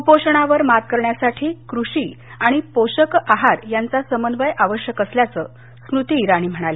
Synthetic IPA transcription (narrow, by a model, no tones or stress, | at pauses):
upoɕəɳ̃aʋəɾmat̪̚kəɾɳjasaʈʰiːkɾuɕiː | aɽ̃ipoɕəkaɦaɾjant͡sasəmənʋəjʔaʋəɕjəkəsljat͡səː | snut̪iɾaɽ̃iːm̤əɽ̃ale